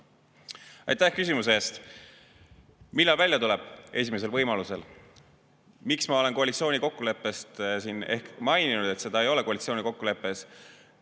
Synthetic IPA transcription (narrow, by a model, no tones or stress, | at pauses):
ɑ̰jt̪æhkys̬ʲimus̬eeːst̪ | milːɑlvæljɑt̪ule̞b̥e̞s̬ʲime̞s̬e̞lvɤjmɑluse̞̰l | miksmɑo̞le̞nko̞ɑlit̪sio̞ːnʲiko̞kːule̞pːˑe̞st̪sine̞hkmɑjninud̪̥e̞t̪se̞d̪̥ɑejo̞le̞ko̞ɑlit̪sio̞ːnʲiko̞kːule̞pːˑe̞s